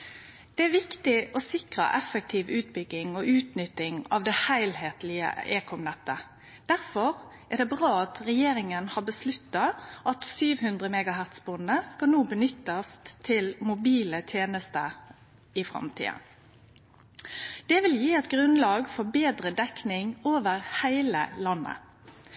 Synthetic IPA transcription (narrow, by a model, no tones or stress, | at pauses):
d̪̥ɛæʋɪkt̪ɪʔɔsɪkʁə̰ʔɛfək̚t̪ʰiːʋʉːt̪bʏɡːɪŋɔʔʉːt̪nʏt̪ːɪŋɑ̰ʋd̪ɛhæɪlheːt̪lɪə̰eːkʰɔmnɛt̪ːə | d̪̥æʁfɔɾ | æʁd̪ɛbʁɑːɑt̪ʁɛjeːɾɪŋənhɑbəslʉt̪ːɑʔɑt̪syːʋhʉnd̪ʁəmɛːɡɑɦæʁt̪sbʊnːəskɑlnoːbənʏt̪ːəst̪t̪ʰɪlmʊbiːlət̪ʰjeːnəst̪ə | ɪfɾɑ̰mt̪ʰḭːə̰n | d̪̥ɛʋɪljiːɛt̪ɡʁʉnlɑːɡfɔbeːd̪ɾəd̪ɛknɪŋoːʋəʁhæɪlə̰lɑnːə̰